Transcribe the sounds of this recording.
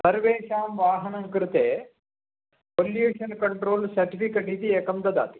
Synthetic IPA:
sɐɾʋeːʃaːmʋaːɦɐnɐmkɾɨt̪eː | poljuːʂɐnkɐɳʈɾoːlsɐɾʈifʰikɐʈit̪iekɐmd̪ɐd̪a̰ːt̪i̥

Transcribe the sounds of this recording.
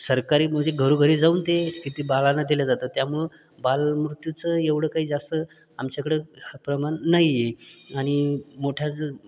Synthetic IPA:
səɾkaɾiːm̤əɡd͡ʑeɡʱəɾuːɡʱəɾiːd͡zauːnt̪ekit̪iːbalanad̪iljad͡zat̪ət̪jamuɭ | balmɾut̪jut͡səeʋɽ̤əkaɦiːd͡zast̪ə | amt͡ɕakəɽepɾəmanːajeaɽ̃imoʈʰjat͡sə

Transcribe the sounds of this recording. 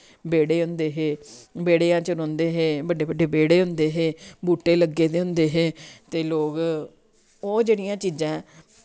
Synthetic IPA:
beːɽeːɦʊ̃nd̪eːɦeːbeːɽeːãːt͡ʃəɾõːnd̪eːɦeːbəɖeːbəɖeːbeːɽeːɦʊ̃nd̪eːɦeːbuːʈːeːləɡːeːt̪eːɦʊ̃nd̪eːɦeːt̪eːloːɡ | oːd͡ʒeːɽijãːt͡ʃiːd͡ʒãː

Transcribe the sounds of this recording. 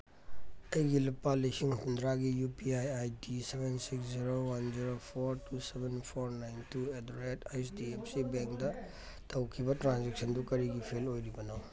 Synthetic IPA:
ɐjɡilupːalisiŋhundɾaɡijupiajajdisebensiksziɾowɐnziɾopʰoɾtusebʱenpʰoɾnajntʰuedɾetajsdiepsibeŋkdɐ | tʰɐwkʰibɐtɾanzek̚sɐndukɐɾiɡipʰelojɾibɐnaw

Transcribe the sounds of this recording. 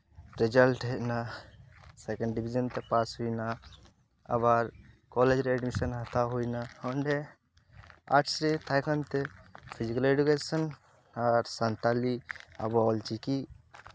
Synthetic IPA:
ɾed͡ʒəlʈɦena | sekə̃ɳɖɖibʱid͡ʒənt̪epaːsɦuina | ɐ̰baɾ | kɔled͡ʒɾɛɖmisənɦɐt̪ʰaɦuinaoɳɖe | a̰ʈʰsɾet̪ʰajkənt̪epʰid͡ʒikəleɖukesən | aɾsant̪alia̰bɔːlt͡ʃiki

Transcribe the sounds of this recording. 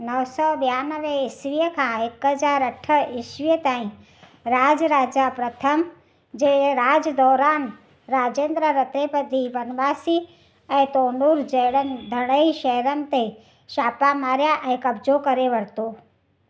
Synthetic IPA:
nəʋsɔbejaːnəʋẽɪʃʋijəkʰãːɦɪkəd͡ʒaːɾɐʈʰəɪʃʋijət̪aːĩ | ɾaːd͡ʒɾaːd͡ʒapɾət̪ʰəm | d͡ʒeɾaːd͡ʒd̪ɔːɾaːn | ɾaːd͡ʒẽːnd̪ɾəɾət̪ɾepəd̪ibɐnʋaːsiː | ɛ̃t̪oːnuɾd͡ʒəːɽənd̪ʱəɽ̃əiʃɛɦɾən̆t̪e | ʃaːpamaːɾjaʔɛ̃kɐbd͡ʒokɐɾeʋəɽt̪oː

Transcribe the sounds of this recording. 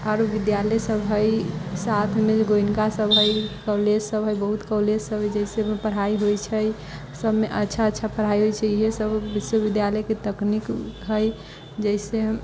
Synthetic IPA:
aɾbid̪jaləsəbʱɦəjsat̪ʰmed͡ʒeɡoinkasəbɦəjkəled͡ʒsəbɦəjbəɦut̪kɔled͡ʒsəbʱəjd͡ʒəisemepəɽ̤aiɦojt͡ʃʰəj | səbmeʔətːʃʰaətːʃʰapəɽ̤aiɦojt͡ʃʰɛiɦesəbbiswəbid̪jaləjket̪əknikɦəj | d͡ʒəɪse

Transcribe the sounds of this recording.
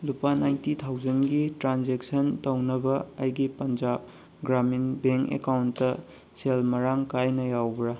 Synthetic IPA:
lupanajntit̪ʰawd͡ʒɐnɡitɾanzek̚sɐntɐwnɐbɐɐjɡipɐnd͡ʒab̚ | ɡɾaminbeŋkḛkawntːɐ | selmɐɾaŋkajnɐjawbɾa

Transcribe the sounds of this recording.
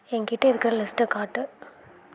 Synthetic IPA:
ɛŋɡɪʈːɐɪɾɯkːɪɾɐlɪsʈɯkaːʈːɯ

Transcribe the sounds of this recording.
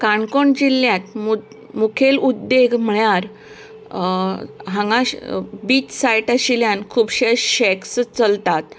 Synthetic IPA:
kaɳkoɳd͡ʑiljãt̪̚mu | mukʰelud̪ːeɡʱm̤əɭjaɾ | ɦãŋɡãbiːt͡ɕsajʈaɕiljankʰuːbɕeɕɛkst͡səlt̪at̪̚

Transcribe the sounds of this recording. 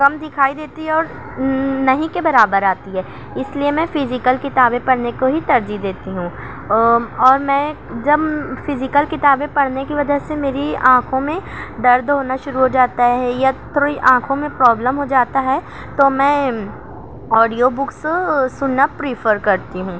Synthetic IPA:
kɐmd̪ɪkʰaːid̪eːt̪iɦɛɔːɾ | nɐɦĩkebɐɾaːbəɾaːt̪iɦɛː | ɪsliemɛ̃fɪzɪkəlkɪt̪aːbẽpɐɽnekoɦit̪ɐɾd͡ʒid̪eːt̪iɦũː | ɔːɾmɛ̃ː | d͡ʒɐbfɪzɪkəlkɪt̪aːbẽpɐɽnekiʋɐd͡ʒəɦsemeːɾiãːkʰõmẽɖɐɾd̪ɦoːnaʃʊɾuɦod͡ʒaːt̪aɦɛɛjat̪ʰoiʔãːkʰõmẽpɾɔːbləmɦod͡ʒaːt̪aɦɛ | t̪omɛ̃ː | ɔːɖijobʊkssʊnnːapɾifəɾkɐɾt̪iɦũː

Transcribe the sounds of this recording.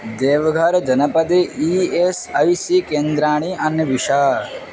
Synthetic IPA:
d̪eːʋɐɡʱɐɾd͡ʒɐnɐpɐd̪eiesɐjsikeːnd̪ɾaːɳ̃iʔɐnːɐʋiʃaː

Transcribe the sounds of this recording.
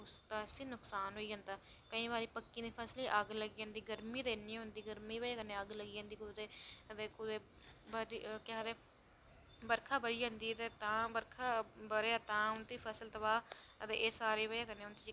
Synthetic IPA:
ʊst̪aːəsĩːnʊksaːnɦoːiːd͡ʒãːnd̪aː | kəĩːbaːɾiːpəkːĩːd̪iːpʰɛːsliːʔəɡləɡiːãːnd̪iːɡəɾmiːd̪eːniːɦʊ̃nd̪iːɡəɾmiːbaːkənːẽːəɡləɡiːãːnd̪iːkʊd̪eːət̪eːkʊd̪eː | baɾikãːd̪eː | bəɾkʰaːbəɾiːd͡ʒãːnd̪iːət̪eːt̪ãːbəɾkʰaːbəɾeaːt̪ãːʊnt̪iːpʰɛːsəlt̪əbaːət̪eːʔeːsaːɾeːβəjaːkənːeːʊnt̪iː

